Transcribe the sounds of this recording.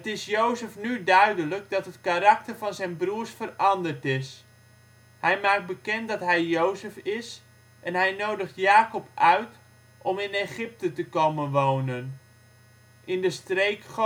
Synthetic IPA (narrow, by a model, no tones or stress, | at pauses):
ətɪsjowzəfnydœɥdələɡ̚dɑtɦətkaɾɑk̚təɹvɑnzɛjnbruːɹsfərɑndəɹtɪs | hɛjmaːk̚d̚bəkɛntdɑtɦɛjːowzəfɪs | ʔɛnɦɛjnowdəχtjaːkɔpœɥt | ʔɔmɪneχɪp̚tətəkowmənʋownən | ʔɪndəstrejkχ